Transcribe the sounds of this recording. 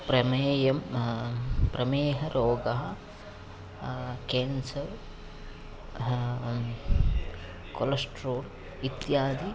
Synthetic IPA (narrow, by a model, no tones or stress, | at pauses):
pɾɐmeːjɐm | pɾɐmeːɦɐɾʔoːɡɐɦɐ | keːnsɐɾ | kolɐsʈɾoːl | it̪jaːd̪i